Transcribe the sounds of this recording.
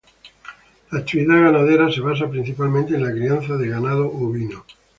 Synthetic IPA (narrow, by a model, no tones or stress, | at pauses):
laːt̪iβiðaɣanaðeɾase̞β̞as̬apɾin̟θipalmẽnt̪eːnlakɾianθaðeɣanaðoʔoβino